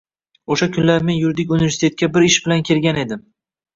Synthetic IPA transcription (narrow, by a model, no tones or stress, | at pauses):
oʃakʲʰʊnlaɾme̞njʊɾd̪ɪkʲunɪvʲe̞ɾsʲit̪ʰe̞t̪̚kʲabɪɾɪʃbɪlankʲʰe̞lɡʲane̞d̪ɪm